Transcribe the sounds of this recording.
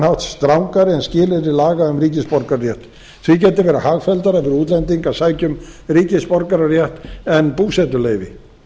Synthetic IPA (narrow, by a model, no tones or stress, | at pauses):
nhawht̪st̪ɾawŋkaɾɪɛnscɪːlɪɾɪlaːɣaʏmriːcɪspɔɾkaɾrjɛht̪ | θvicɛːt̪̬ɪvɛːɾahaːɣfɛlt̪aɾafɪɾuːt̪lɛnt̪iŋkasaːjcʏmriːcɪspɔɾkaɾarjɛht̪ɛnpuːsɛt̪ʏleːjvɪ̰